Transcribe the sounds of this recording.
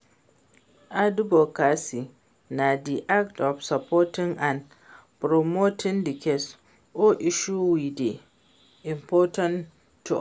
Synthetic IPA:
ʔadubokasi | nadiʔaktɔfsapɔːtɪŋan | pɾɔmoːtɪndikʲes | ʔoʔɪʃuwide | ʔɪmpɔːtɐn | tːu

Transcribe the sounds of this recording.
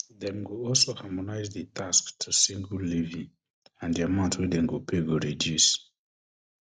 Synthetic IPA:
dɛ̃mɡoɔlsohamɔnaɪzdətʰasktʰusĩŋɡullivĩŋ | ãndiamãʊ̃ntwedɛ̃mɡopʰeɡoɹedjus

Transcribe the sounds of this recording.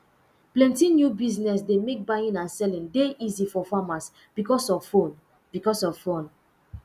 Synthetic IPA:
plɛ̃ntinjubiznɛsdemek̚bajĩnãnsɛlĩndeʔizifɔfamas | b̥ikɔsɔvfõn | b̥ikɔsɔvfõn

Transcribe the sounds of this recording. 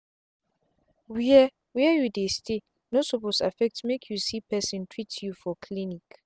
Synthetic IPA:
wiɛ | wiɛjudestʰe | nosoposa̰fɛk̚tmekʰjusipʰɛsĩntʰɹitjufɔkʰlinik

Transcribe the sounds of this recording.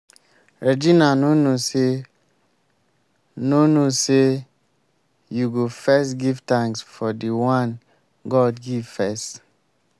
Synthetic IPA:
ɹed͡ʒinanonose | nonose | juɡofɛsɡivtãŋsfɔdiwãn | ɡɔdɡivfɛst

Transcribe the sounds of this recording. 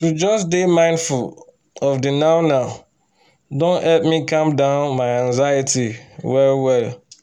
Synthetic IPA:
tud͡ʒʌsdemãɪ̃ndful | ɔvdɨnaʊnaʊ | dõnhɛlp̚mikãmdãʊnmaɪãŋzajitiwɛlwɛl

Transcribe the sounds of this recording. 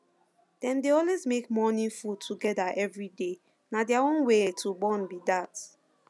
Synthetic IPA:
d̥ɛ̃mdeɔlwezmekmɔnĩfud̚tʰuɡɛdaʔɛvɹide | nadjawɔ̃nwetʰubɔ̃nbidat

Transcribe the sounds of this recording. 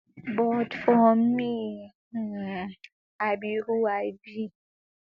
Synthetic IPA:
bɔdfɔmːi | abiɾuajbi

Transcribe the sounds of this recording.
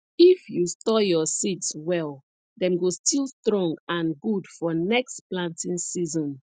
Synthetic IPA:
ifjustɔjɔsitswɛl | dɛ̃mɡostilˠstɹɔ̃ŋãnɡudfɔnɛkstplãntĩnsizɔ̃n

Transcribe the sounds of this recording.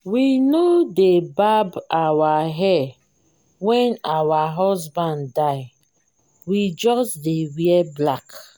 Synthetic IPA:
winodebabawaɦɛ | wɛ̃nawaɦɔzbãnddaɪ | wid͡ʒɔsdewiɛblak

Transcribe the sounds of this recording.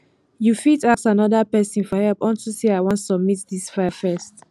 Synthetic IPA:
jufitasanɔdəpɛsĩnfɔhɛlpɔ̃ntusiaɪwɔ̃ntsɔb̚mitdisfafɛst

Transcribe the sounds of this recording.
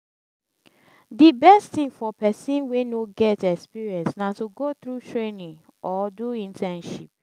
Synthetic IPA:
dibɛsttĩŋfɔpɛsĩnwenoɡɛtɛkspiɹiɛ̃nsnatuɡot̪ɹutʰɹenĩŋ | ʔɔduĩntʰɛ̃nʃip̚

